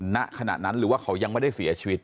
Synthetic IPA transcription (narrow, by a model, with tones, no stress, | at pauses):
na˦˥ʔkʰa˧na̰˨˩t̪̚na˦˥nɾɯː˩˦waː˥˩kʰa˦˥wja˧ŋma˥˩jda˥˩jsi˨˩˦ɐt͡ɕʰi˧wi˦˥t̪̚